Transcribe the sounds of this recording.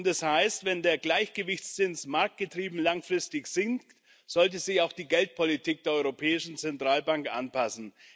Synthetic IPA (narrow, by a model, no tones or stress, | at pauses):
ntd̥ashaɪstvɛndeːɐɡlaɪçɡ̥əvɪçt͡st͡sɪnsmaɐk̚t̚ɡ̥ətʁ̥iːbm̩laŋfʁ̥ɪstɪçz̥ɪŋk̚t | z̥ɔlt̬əzɪçaʊxd̥iːɡɛlt̚pʰɔlitʰiːk̚d̥eːɐɔʏʁopʰɛːɪʃn̩t͡sɛntʁ̥aːlbaŋkʔa̰npʰasn̩